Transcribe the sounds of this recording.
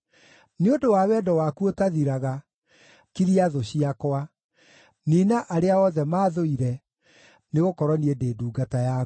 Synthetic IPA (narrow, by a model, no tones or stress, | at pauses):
neodowaːwɛːdɔwakuotaðiɾaɣa | kiɾiaðoɕiakwa | niːnaʔaɾeaɔðɛmaːðoiɾɛ | neɣokɔɾɔniedeːduːɡataja